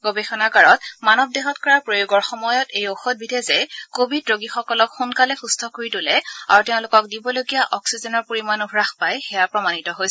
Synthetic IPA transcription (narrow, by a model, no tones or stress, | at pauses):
ɡobexɔnakaɹɔtmanɔb̚deɦɔtkɔɹaɹpɹojoɡɔɹxɔmɔjɔtejoxɔt̚bidʱɛzɛkobʱidɹoɡixɔkɔlɔkxunkalɛxustʰɔkoɹitʊlɛa̰ɹuteʊ̃lʊkɔk̚dibɔloɡijaʔɔksizɛnɔɹpoɹimanubʱɹaxpajxɛjapɹɔmanitɔɦojs